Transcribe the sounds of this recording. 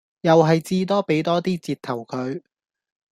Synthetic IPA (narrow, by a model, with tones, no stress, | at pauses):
jɐ˨wɦɐ˨jt͡siː˥t̪ɔː˥pe˨˥jt̪ɔː˥t̪iː˥t͡siː˧t̚t̪ʰɐ˨˩wkʰɵ˨˧ɥ